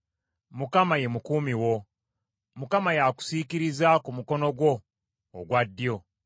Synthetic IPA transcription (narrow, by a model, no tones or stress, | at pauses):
mukamaje̞mukuːmiwo̞ | mukamajaku̥sikiɾizakumuko̞no̞ɡwo̞̰ː | ɡwadːjo̞